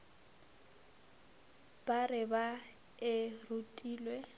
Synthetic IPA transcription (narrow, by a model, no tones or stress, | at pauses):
b̥arɪba | ɪrutʼiːlwe